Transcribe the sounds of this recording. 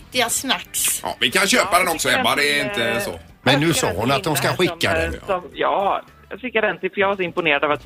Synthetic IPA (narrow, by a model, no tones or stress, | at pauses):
t̪ɪasnakːsʔɑ̰ːvɪkanɕøːpad̪ɛnɔksɔɛmːad̪ɛːɾɪnt̪əsɔ̰ | mɛnːʉ̟ːsɑːhʊnat̪̚d̪ɔmskaɧɪkːad̪ɛ̰ɔmjɑː | jjɑ̰ːfɪkːjad̪ɛnt̪ɪfəɾjɑvaʂɔɪmpʊneːɾad̪ɑvat̪